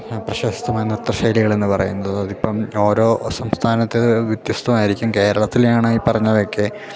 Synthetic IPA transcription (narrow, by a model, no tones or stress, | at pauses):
prɐɕɐsi̥t̪ʰːɐmaːjɐnirt̪rɐɕɐjliɣɐɭe̞nːɨpɐrɐ̰junːɐðɨɐðipːɐmo̞ːɾo̞ːsɐmst̪ʰaːnɐt̪ːeðɨʋjid̪jɐst̪ʰɐmaːjiɾikʲːumke̞ːɾɐɭɐt̪ːiljaːɳɨipːɐrɐɲːɐðokːe